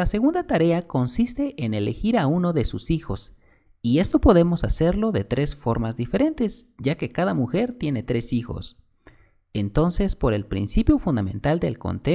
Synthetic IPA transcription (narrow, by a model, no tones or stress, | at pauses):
lase̞ɣund̪at̪aɾe̞ako̞nsist̪e̞ʔene̞le̞xiɾaunoðe̞susixo̞s | ie̞st̪o̞po̞ðe̞mo̞sase̞ɾlo̞ðe̞t̪ɾe̞sfo̞ɾmazðife̞ɾe̞nt̪e̞zɟ͡ʝake̞kaðamuxe̞ɾt̪je̞ne̞t̪ɾe̞sixo̞̰s | ent̪o̞nse̞spo̞ɾe̞lpɾḭnsipjofund̪amẽ̞nt̪ald̪e̞̰lko̞̰nt̪e